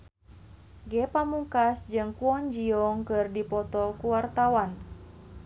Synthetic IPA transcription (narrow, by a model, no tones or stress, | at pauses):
ɡɛpamuŋkasd͡ʒɨŋkuɔɲd͡ʒiɔŋkɨrdipɔt̪ɔkuwart̪awan